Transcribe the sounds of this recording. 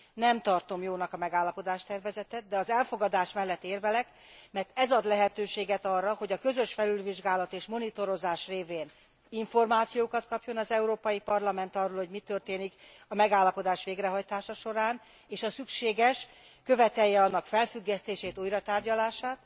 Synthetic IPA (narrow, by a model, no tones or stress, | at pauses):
nɛmt̪ɒrt̪o̞mjoːnɒkɒmɛɡaːlːɒpo̞d̪aːʃt̪ɛrvɛzɛt̪ɛt̪̚d̪ɛɒzɛlfo̞ɡɒd̪aːʃmɛlːɛt̪ːeːrvɛlɛk | mɛrt̪ɛzɒd̪lɛɦɛt̪øːʃeːɡɛt̪ɒrːɒho̞ɟɒkø̞zø̞ʃfɛlylviʒɡaːlɒt̪eːʃmo̞nit̪o̞ɾo̞zaːʃreːveːn | iɱfo̞rmaːt̪sijoːkɒt̪kɒpjo̞nɒzɛuɾoːpɒjipɒrlɒmɛnt̪ɒrːoːlho̞ɟmit̪ø̞rt̪eːnik | ɒmɛɡaːlːɒpo̞d̪aːʃʋeːɡrɛɦɒjt̪aːʃɒʃo̞ɾaːn | eːʃɒsykʃeːɡɛʃ | kø̞vɛt̪ɛjːɛɒnːɒkfɛlfyɡːɛst̪eːʃeːt̪ujɾɒt̪aːrɟɒlaːʃaːt̪